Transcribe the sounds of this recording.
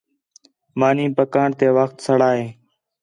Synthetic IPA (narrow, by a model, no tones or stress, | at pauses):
maːnĩːpəkaːɳt̪eːʋəxt̪səɽaːɦeː